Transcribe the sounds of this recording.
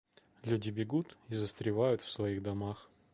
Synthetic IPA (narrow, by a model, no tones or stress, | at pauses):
lʲudʲɪbʲɪɡut̪izəst̪ɾʲɪvajʊt̪fsvɐiɣd̪ɐmax